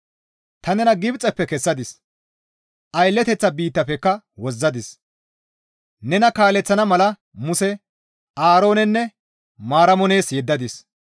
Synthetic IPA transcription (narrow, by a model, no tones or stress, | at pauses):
t̪ɐnɛnɐɡɪbt͡sʼːɛpːɛkɛsːɐd̪ɪs | ʔɐjlːɛt̪ɛt͡sːɐbiːt̪ːɐpɛkːɐ | wɔzːɐd̪ɪs | nɛnɐkaːlɛt͡sːɐnɐmɐlɐ | mʊsɛ | aːɾo̞ːnɛnːɛ | maːɾɐmɔne̞ːsjɛd̪ːɐd̪ɪs